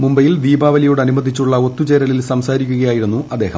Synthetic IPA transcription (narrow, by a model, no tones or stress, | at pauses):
mumbɐjild̪iːbaːʋɐlijoːɽɐnumɐd̪ʱit͡ɕːuɭːɐo̞t̪ːut͡ɕe̞ːɾɐlilsɐmsaːɾikʲːuɣɐjaːjiɾunːuʔɐd̪ːe̞ːhɐm